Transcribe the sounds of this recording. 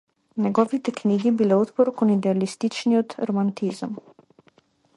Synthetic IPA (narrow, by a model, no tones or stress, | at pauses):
nʲɛɡɔːʋit̪ɛkniːɡibilɛot̪pɔɾkɔnid̪ɛalist̪it͡ʃniɔd̪ɾɔmant̪izəm